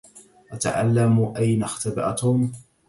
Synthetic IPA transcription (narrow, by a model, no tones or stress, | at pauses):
ʔat̪a̰ʕa̰lːamuʔajnaxt̪abɪʔa̰t̪ʊm